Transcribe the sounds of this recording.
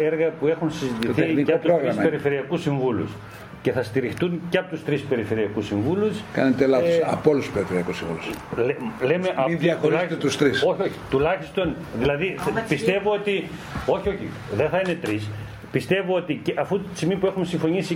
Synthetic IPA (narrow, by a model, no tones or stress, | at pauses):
eɾɣɐpue̞xunsizit̪iθenikɐot̪uɾoɣɾɐmsɐpeɾife̞ɾiɐkusiɱvulṵs | ce̞θɐst̪iɾixt̪unceɐpo̞t̪ust̪ɾispe̞ɾife̞ɾiɐkusiɱvuluskɐ̰net̪elɐsɐ̰polusspeɾifeɾiɐkusiɱvṵluslle̞meʔɐmiðjɐxoɾlɐst̪et̪ust̪ɾisoçioçi̥t̪ulɐçist̪o̞n | ðilɐðipist̪e̞voot̪i | o̞çio̞çḭ | ðeθɐine̞t̪ɾis | pist̪e̞voot̪iceʔɐfu̥simipue̞xunsiɱfo̞ɲisi